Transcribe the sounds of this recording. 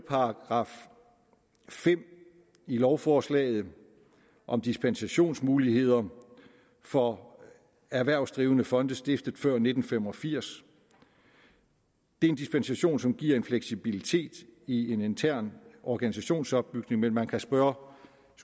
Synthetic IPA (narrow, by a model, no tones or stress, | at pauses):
pʰɑ̈ɑɡ̥ʁɑ̰̈f | fem̰ | ilɒʊfɒːslɛ̰ːð̩ˠ | ʔɒ̽md̥isb̥ensæɕo̝̰ːnsmuːlihe̝ð̞̰ˠɐ | fɒ̽ | æɐʋæɐʊsd̥ʁiːʊənəfɒ̽nd̥əsd̥e̝fd̥ð̩ˠfɶɐ̰ne̝d̥n̩fem̰ɒ̽fiɐ̰s | d̥e̝e̝nd̥isb̥ensæɕo̝̰ːnsɒ̽mɡ̥iɐ̰e̝nfleɡ̥sib̥ilit͡sʰe̝̰ːd̥ie̝ne̝nt͡sʰæɐ̰nɒɡ̥ænis̬æɕo̝̰ːnsɒ̽b̥ːyɡ̥ne̝ŋmenmænkʰæsb̥ɶːɐ